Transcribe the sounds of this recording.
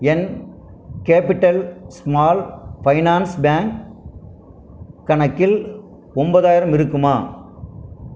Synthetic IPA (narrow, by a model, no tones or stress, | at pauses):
ɛn | keːpɪʈːɐlsmaːlpɐɪnaːnsbaːŋk | ɐnɐkːɪl | ɔmbɐðaːjɪɾɐmɪɾɯkːɯmaː